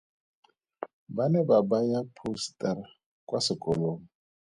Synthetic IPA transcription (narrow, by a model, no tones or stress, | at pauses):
banɛbabajapʰustʼara | kʼwasɪkʼɔloːŋɔ